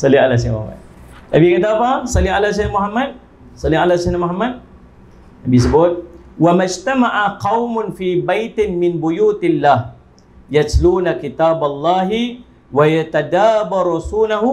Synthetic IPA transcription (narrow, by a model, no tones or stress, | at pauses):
salialasamuha̰ma̰d̪̚ | nabikat̪aːpasalialas̬aanamuɦamat̪̚ | sɑlialasnamuɦamːad̪̚ | nabis̬əbʊt̪̚ | wamad͡ʒt̪amaʔaqɑwmʊnfiːbajt̪ɪnmɪnbujuːt̪ɪlːah | jat̪luːnakit̪abalˤːɑːɦi | wajat̪ad̪aːbaɾsunaɦu